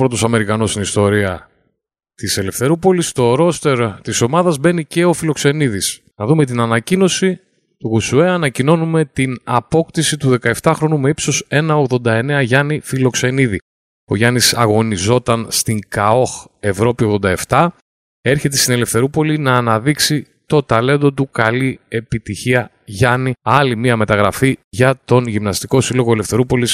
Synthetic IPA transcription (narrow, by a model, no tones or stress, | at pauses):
pɾo̞t̪o̞sɐme̞ɾikɐnosinist̪o̞ɾiɐ | t̪ise̞le̞fθe̞ɾupo̞list̪o̞ɾo̞st̪e̞ɾt̪iso̞mɐðɐzbe̞nice̞o̞filo̞kse̞niðis | nɐðume̞t̪̬inɐnɐcino̞si | t̪uɣusue̞ɐnɐcino̞nume̞t̪inɐpo̞kt̪isit̪uðe̞kɐe̞ft̪ɐxɾo̞numeipso̞se̞nɐo̞ɣðo̞nd̪ɐe̞ne̞ɐʝɐnifilo̞kse̞niði | oʝɐnisɐɣo̞nizo̞t̪ɐnst̪iŋkɐo̞xe̞vɾo̞pio̞ɣðo̞nd̪ɐe̞ft̪ɐ | e̞ɾçe̞t̪̬e̞st̪ine̞le̞fθe̞ɾupo̞linɐːnɐðiksi | t̪o̞t̪ɐle̞nd̪o̞t̪̬ukɐlie̞pit̪içiɐ | ʝɐniɐlimiɐme̞t̪ɐɣɾɐfiʝɐt̪o̞nʝimnɐst̪iko̞silo̞ɣo̞ele̞fθe̞ɾupo̞lis